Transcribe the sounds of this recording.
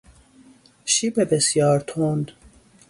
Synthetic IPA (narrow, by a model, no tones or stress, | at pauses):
ʃibebesjɒːɾt̪ʰond̪